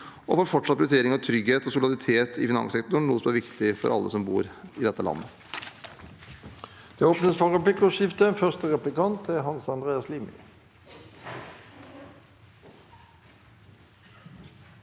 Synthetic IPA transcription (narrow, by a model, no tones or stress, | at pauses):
ʔɔfoːɾfɔʈʂɑt̪pʰɾʉt̪eːɾɪŋɑʋt̪ʰɾʏɡheːt̪ɔsʊlɪɑd̪ɪt̪ʰeːt̪ʰɪfɪnɑ̰ŋsɛkt̪ʊɳnuːəsɔmæɾʋɪkt̪ɪfɔ̰ɾʔɑ̰lːəsɔmbṵːɾɪd̪ɛt̪ːəlɑ̰nːə | d̪̥eːoːpnəspɑʁəplɪkʊʃɪft̪əfœʁst̪əʁɛplɪkɑnt̪̚ɛɦɑnsɑnd̪ʁeːɑsliːmɪ̰